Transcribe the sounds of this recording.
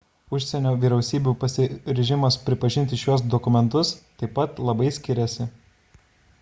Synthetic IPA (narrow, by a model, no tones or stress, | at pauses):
ʊʃʲsʲɛnʲoːʋʲiːɾʲɛʊsʲiːbʲuːpɐsʲɪɾʲɛʒʲɪmɐspʲɾʲɪpɐʒʲɪnʲt̪ʲɪʃʲuɔs̬d̪ɔkʊmʲɛnt̪ʊst̪ɐɪpɐt̪lˠɐbɐɪsʲkʲɪɾʲɛsʲɪ